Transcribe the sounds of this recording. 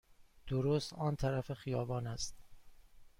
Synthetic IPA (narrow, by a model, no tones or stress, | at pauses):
d̪̥oɾoːst̪ɒːnt̪ʰæɾæfexijɒːbɒːnæst̪